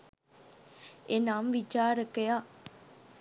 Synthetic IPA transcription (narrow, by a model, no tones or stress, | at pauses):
enaːmʋit͡ʃaːɾəkeja